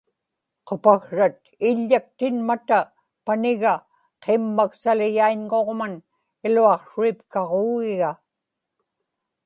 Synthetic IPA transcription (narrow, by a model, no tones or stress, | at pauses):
qopaɣɻat̪̚ | ɪʎːak̚t̪ɪnmat̪a | panɪɣa | qʰemːaksalɪjaiɲŋo̞ʁman | ɪluɑqʂuipkɑʁoːɣɪɣa